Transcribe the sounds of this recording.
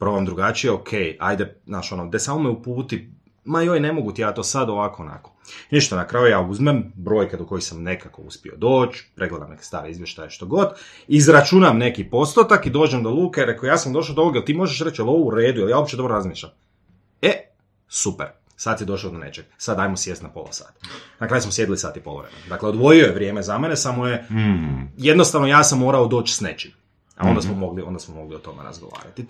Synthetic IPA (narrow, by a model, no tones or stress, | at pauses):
pɾooʋamd̪ɾuɡat͡ʃijeokʰeja̰jd̪enaːʃo̞nod̪esaːmomeupuːt̪i | majojne̞mo̞ɡut̪ijaːt̪o̞ːsad̪oʋakoːna̰koniʃt̪anakɾaːjujaːuzmembɾo̞jked̪oko̞jixsamne̞kako̞ṵspio̞̰d̪o̞ːt͡ʃpɾʔeɡled̪a̰mne̞ke̥st̪a̰ːɾeizʋje̞ʃt̪ajeʃt̪oɡo̞d̪ | izɾat͡ʃunamne̞kipo̞st̪ot̪akid̪o̞ːd͡ʒemd̪o̞lˠuːkeɾekojaːsamd̪o̞ʃ̬aod̪ooɡjelˠt̪iːmo̞ʒeʃɾet͡ʃjelo̞ʋouɾe̞ːd̪ujeljaobit͡ʃedo̞bɾɾazmiːʃʎʲam | e | supeɾ | sat̪sid̪o̞ʃad̪one̞̰t͡ʃeɡ̥sad̪aːjmosjest̪napolˠa̰sa̰ːt̪nakɾaːjusmosje̞d̪ilisa̰ːt̪ipolˠo̰ʋɾḛmenod̪akleo̞d̪ʋo̞jiojeʋɾʲje̞ːmezamenesamoje | jed̪no̞st̪aʋnojaːsamːo̞ːɾaod̪oːt͡ʃsnḛt͡ʃim | a̰o̞nd̪asmomo̞ɡliond̪asmomo̞ɡliot̪o̞mḛɾa̰zɡoʋa̰ːɾa̰t̪i